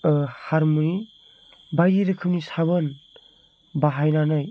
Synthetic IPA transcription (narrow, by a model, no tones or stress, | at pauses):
haɾmui | bajiɾɯkʰɯp̚nisaβɯn | baɦajnanaj